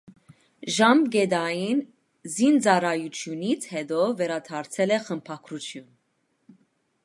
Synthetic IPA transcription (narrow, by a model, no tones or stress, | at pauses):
ʒɑmɡɛd̪ɑjin | zind͡zɑɾɑjut͡sʰjunit͡sʰhɛd̪ɔvɛɾɑt̪ʰɑɾt͡sʰɛlɛχəmpʰɑkʰɾut͡sʰjun